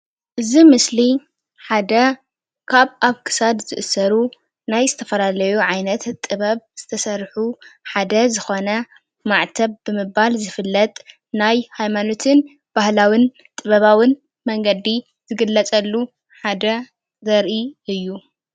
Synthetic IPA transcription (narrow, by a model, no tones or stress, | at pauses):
ʔɨzimɨsli | ħad̪ɐ | kʰaβaβkʰɨ̥sad̪zɨʔɨsɐɾu | najzɨt̪ʰɐfɐlalɐjuʕajnɐt̪ʼːɨβɐβz̥ɨt̪ʰɐsɐɾħuħad̪ɐzɨxo̞nɐ | maʕt̪ʰɐβbɨmɨbalzɨfɨlːɐt̪ʼ | najhajmano̞t̪ʰɨn | b̥ahlawin | t̪ʼɨβɐβawɨn | mɐŋɡɐd̪i | z̥ɨɡɨlːɐt͡sʼɐlːu | ħad̪ɐ | zɐɾʔiʔɨjːu